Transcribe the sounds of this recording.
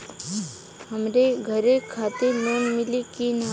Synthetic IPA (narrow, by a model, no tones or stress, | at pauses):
ɦɐmɾeɡʱəɾekʰaːt̪eloːnmɪlikin